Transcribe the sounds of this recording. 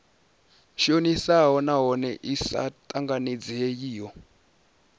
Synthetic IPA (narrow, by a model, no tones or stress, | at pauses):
ʃionisaɦɔnaɦɔnɛʔisa̰tʼaŋɡaned͡ziejiːjɔ